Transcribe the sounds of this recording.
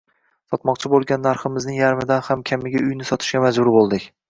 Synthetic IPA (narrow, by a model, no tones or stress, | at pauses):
sɒt̪mɒqt͡ʃʰɪbolˠɡʲanːaɾχɪmɪznɪŋjaɾmɪd̪anhamkʲʰamːɪɡʲaʊjnɪsɒt̪ʰɪ̥ʃɡʲamad͡ʒbʊɾbolˠd̪ɪkʲ